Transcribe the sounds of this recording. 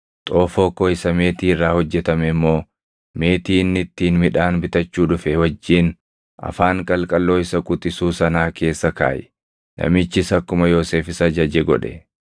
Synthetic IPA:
t̪ʼoːfo̞ːkːoːɪsɐme̞ːt̪iːɪrːaːhɔd͡ʒːɛt̪ɐmɛɪmːo̞ː | me̞ːt̪iːnːɪt̪ːiːnmɪᶑaːnbɪt̪ɐt͡ʃːuːᶑʊfɛwɐd͡ʒːiːn | ɐ̰faːŋkʼɐlkʼɐlːo̞ːɪsɐkʼʊt̪ʼɪsuːsɐnaːke̞ːsːɐka̰ːjɛ̥ | nɐ̰mɪt͡ʃːɪsɐkːʊmɐjoːse̞ːfɪsɐd͡ʒɐd͡ʒɛɡɔ̰ᶑɛ̰

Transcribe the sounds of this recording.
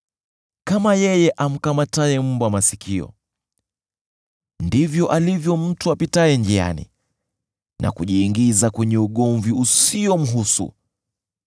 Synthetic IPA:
kamajɛjɛʔam̩kamataɛm̩bwamasikʰiɔ̰ | ndivjɔʔalivjɔm̩tuapitaɛnd͡ʒia̰nḭ | nʔa̰kuʄiːŋɡizakwɛɲɛuɠɔɱviusiɔm̩ɦusṵ

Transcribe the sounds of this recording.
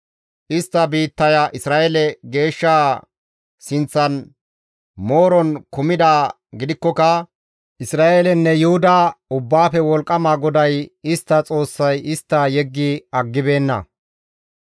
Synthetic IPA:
ʔɪst̪ːɐbiːt̪ːɐjɐʔɪsɾaːʔelɛɡe̞ːʃːaː | sɪnt͡sːɐn | mo̞ːɾɔnkʊmɪd̪aː | ɡɪd̪ɪkːɔkɐ | ʔɪsɾaːʔelɛnːɛjʊhʊd̪aʊbːaːpɛwɔlkʼːɐmaɡɔd̪ɐjɪst̪ːɐt͡sʼo̞ːsːɐjɪst̪ːɐjɛɡːɪɐɡːɪbe̞ːnːɐ̰

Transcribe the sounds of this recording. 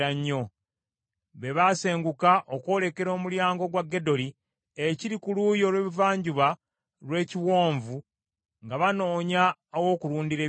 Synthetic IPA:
aɲːo̞ | βe̞βase̞ːŋɡukaʔokwo̞ːle̞ke̞ɾo̞ːmuljaːŋɡo̞ɡwaɡːe̞do̞li | eciɾikuluːjo̞lwe̞ːβivaːɲɟuβa | lwe̞ːciwo̞ːɱvu | ŋɡaβano̞ːɲaowo̞ːkuɾuːndiɾe̞ː

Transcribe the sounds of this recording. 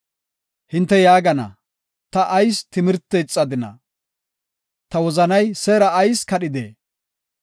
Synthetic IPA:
hɪnt̪ːɛjaːɡɐnɐ̰ | t̪ɐʔɐjst̪ɪmɪɾt̪ːɛt͡sʼːɐd̪ɪnɐ̰ | t̪ɐwɔzɐnɐjsɛɾɐːjskɐɗɪd̪ḛː

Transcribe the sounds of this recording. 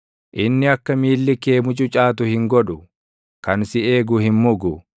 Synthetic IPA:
ʔɪnːɪɐkːɐmiːlːɪke̞ːmʊt͡ʃʼʊt͡ʃʼaːt̪ʊhɪŋɡɔᶑʊ | kɐnsɪeːɡʊhɪmmʊɡʊ

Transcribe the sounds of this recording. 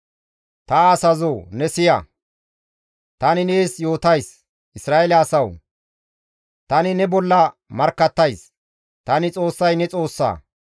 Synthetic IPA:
t̪ɐːsɐzoːnɛsɪjɐ̰ | t̪ɐnɪneːsjo̞ːt̪ɐjs | ʔɪsɾaːelɪɐsɐw | t̪ɐnɪnɛbɔlːɐmɐɾkːɐt̪ːɐjs | t̪ɐnɪt͡sʼo̞ːsːɐjnɛt͡sʼo̞ːsːa̰ː

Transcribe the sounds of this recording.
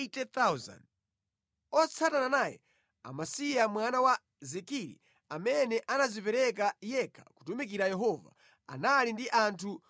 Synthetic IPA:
tɛt̪awza̰n | ɔt͡sʰatananajɛ̰ | a̰masijamwanawa | zɛkiɾḭ | amɛnɛʔanazipɛɾɛk̬ajɛkʰḁku̥tumikiɾajɛɦɔva̰ | a̰nalindiʔantʰu

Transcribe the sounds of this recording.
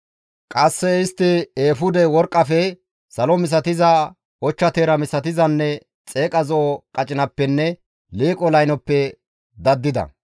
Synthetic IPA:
kʼɐsːɛɪst̪ːɪeːfʊd̪ɛwɔɾkʼːɐfɛ | sɐlɔmɪs̬ɐt̪ɪzɐ | ɔt͡ʃːɐt̪eːɾɐmɪsɐt̪ɪzɐnːɛ | t͡sʼe̞ːkʼɐzɔʔɔkʼɐt͡ʃʼɪnɐpːɛnːɛ | liːkʼɔlɐjnɔpːɛ | d̪ɐd̪ːɪd̪ɐ̰

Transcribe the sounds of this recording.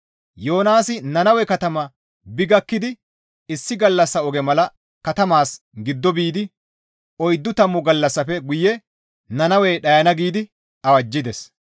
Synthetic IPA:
jo̞ːnaːsɪnɐnɐwɛkɐt̪ɐmɐ | bɪɡɐkːɪd̪ɪ | ɪsːɪɡɐlːɐsːɐɔɡɛmɐlɐ | kɐt̪ɐmaːs | ɡɪd̪ːɔbiːd̪ɪ | ʔɔjd̪ːʊt̪ɐmːʊɡɐlːɐsːɐfɛɡʊjːɛ | nɐnɐwɛːɗɐjɐnɐɡiːd̪ɪ | ɐwɐd͡ʒːɪd̪ɛs

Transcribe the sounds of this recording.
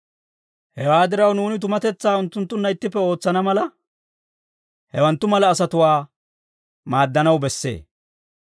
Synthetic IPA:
hɛwaːd̪ɪɾɐwnuːnɪt̪̬ʊmɐt̪ɛt͡sːaːʊnt̪ːʊnt̪ːʊnːɐɪt̪ːɪpːɛoːt͡sːɐnɐmɐlɐ | hɛwɐnt̪ːʊmɐlɐːsɐt̪ʊwaː | maːd̪ːɐnɐwbɛsːe̞̰ː

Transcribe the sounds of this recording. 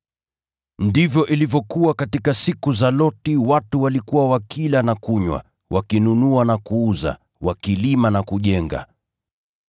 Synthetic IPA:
ndivjɔʔilivjɔkuwakatikasikuzalɔtiwatuwalikuwawakʰilanakuɲwa̰ | wakinunuanakuuza̰ | wakilimanakuʄɛŋɡa̰

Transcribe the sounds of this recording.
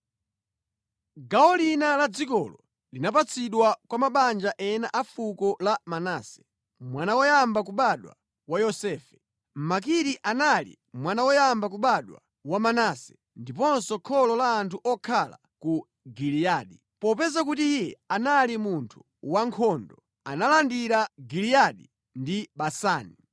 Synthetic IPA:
ɡaɔlinalad͡zikɔ̰lɔ | linap̬at͡sʰiɗwakwamaɓand͡ʒaʔɛnaʔafukɔlamanaːsɛ̥ | mwanawɔjambak̬uɓaɗwa̰ | wajɔsɛːfɛ̥ | m̩mak̬iɾiʔanalḭ | mwanawɔjambak̬uɓaɗwa̰ | wamanaːsɛ̥ | ndipɔnsɔkʰɔlɔlaːntʰuʔɔkʰala̰ | ku | ɡilijaːɗi | pɔpɛzak̬utijijɛanalimuntʰu̥ | waŋkʰɔndɔ | a̰nalandiɾaɡilijaɗi | ndiɓasaːni

